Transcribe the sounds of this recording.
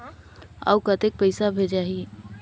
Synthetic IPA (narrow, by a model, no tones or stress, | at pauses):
a̰wkət̪ek̚pəɪsabʱed͡ʒaːɦi